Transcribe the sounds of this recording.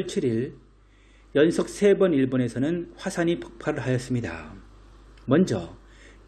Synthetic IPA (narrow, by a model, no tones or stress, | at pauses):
ɭt͡ɕʰiɾiɭ | jʌnsʰʌk̚s͈ʰe̞bʌniɭbone̞sʰʌnɯnɸwasʰaɲipʰʌ̥k̚pʰaɾɯɭɦajʌs͈ɯmɲida̰ | mʌnd͡ʑʌ